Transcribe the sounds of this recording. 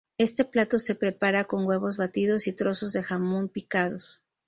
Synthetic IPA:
e̞st̪e̞plat̪o̞se̞pɾe̞paɾako̞ŋɡwe̞βo̞zβat̪iðo̞sit̪ɾo̞so̞zðe̞xamompikað̞o̞s

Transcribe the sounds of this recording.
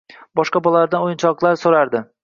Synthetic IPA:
bɒʃqɑbɒlalaɾd̪anojɪnt͡ʃʰɒqlˠaɾsoɾaɾd̪ɪ

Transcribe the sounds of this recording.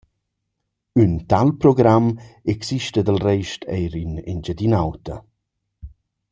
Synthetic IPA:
ynt̪alpɾɔɡɾamɛksiʃtəd̪əlrɛjʃtʰɛ̰jɾynɛ̰nd͡ʒad̪inawt̪ə

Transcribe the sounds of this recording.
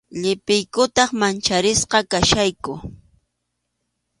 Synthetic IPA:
ʎɪpɪjkʊt̪ɑχmant͡ʃaɾɪsqɑkaʃajkʊ

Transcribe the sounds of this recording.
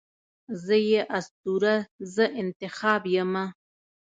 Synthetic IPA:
zəjeʔast̪uɾazəʔɪnt̪ɪxɑbjəma

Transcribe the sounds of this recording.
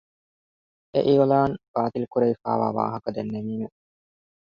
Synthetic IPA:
ʔḛʔiːʋɐlaːnb̥aːt̪ilukuɾeifa̰ːʋa̰ːʋa̰ːɦɐkɐd̪enːemiːme

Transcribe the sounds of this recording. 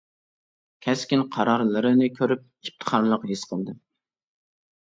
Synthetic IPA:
kʲʰɛskʲinqʰɑɾɑɾlˠɨɾɨnɨkʲʰøɾyp̚ | ip̚t̪ʰə̥χɑɾlˠəqɦesqʰəlˠd̪ɨ

